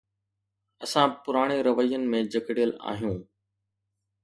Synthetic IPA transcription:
ɐsãpʊɾaːɽ̃eɾɐʋəijːənɪ̆mẽd͡ʑɐkɪɽijəla̰ːɦijũː

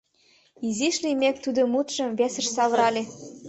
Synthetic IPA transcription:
iziʃlimek̚t̪ud̪ŏmut̪ʃɤ̆mβʲesə̆ʃsɑβə̆ɾɑlʲe

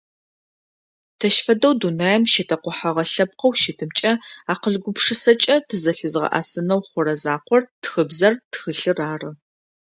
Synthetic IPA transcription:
tʰɐʃfɐdɐwdunaːjɛmʃɪtʰɐqʷɔħaʁɐɬɐp̚qɐwʃɪtʰɨmt͡ʃʼɐaːqəɮɡʷʊpʂɨsɐt͡ʃʼɐtʰɨzɐɬɨzʁɐ̰ʔa̰ːsɨnɐwχʷʊɾɐzaːqʷɔrtxɨbzɐrtxɨɬɨraːrɨ

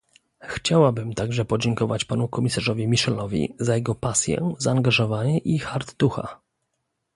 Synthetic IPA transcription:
xt͡ɕawabɘmt̪aɡʐɛpɔd͡ʑɛŋkɔvat͡ɕpanukɔmʲisaʐɔvʲimʲiʂɛlɔvʲḭzajɛɡɔpasʲjɛ̰zaːŋɡaʐɔvaɲɛʔixaɾt̪ːuxa̰

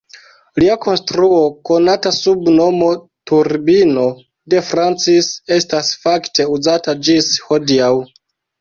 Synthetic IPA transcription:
liako̞nstɾuo̞ko̞natasubno̞mo̞ | tuɾbino̞ | de̞fɾant͡sise̞stasfakte̞uzatad͡ʒisho̞diaw

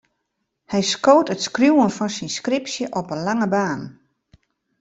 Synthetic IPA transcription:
hɛjskoːtətskrjuwənfɔnsinskripsjəʔɔpənlaŋəbaːn

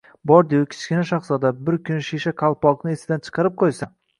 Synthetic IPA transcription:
bɒɾd̪ejakʲʰɪ̥t͡ʃkʲɪnaʃaχsɒd̪abɪɾkʰʲʊnʃeʃaqʰɑlˠpɒqnɪesɪd̪ant͡ʃʰɨ̥qʰɑɾɪp̚qʰojsa

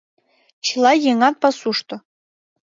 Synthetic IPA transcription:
t͡ɕilˠɑjeŋɑt̪̚pɑsuʂt̪ŏ

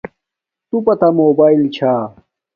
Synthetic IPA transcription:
t̪upɐt̪amoːbaːilt͡ɕʰaː

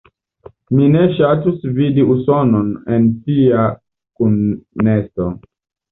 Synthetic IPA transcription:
mineʃatusvidiusononentia | kunːeso

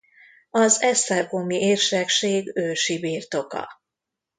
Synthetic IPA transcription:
ɒzɛst̪ɛrkomiʔeːrʃɛkʃeːɡøːʃibiːrt̪o̞kɒ̰

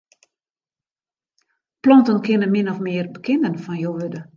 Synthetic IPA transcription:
plɔntənkɪnəmɪnɔfmɪərbəkʰɪndənfɔnjoːʋødə

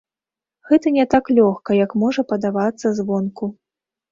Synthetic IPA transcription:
ɣɛt̪ɐnʲɛt̪aklʲɔxkɐjɐkmɔʐɐpɐd̪avat̪sːɐzvɔnku

